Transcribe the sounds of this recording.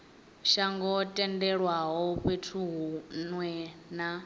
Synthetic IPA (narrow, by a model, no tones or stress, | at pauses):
ʃaŋɡɔtʼɛndɛɺwaɦɔɸwetʰuɦunwɛna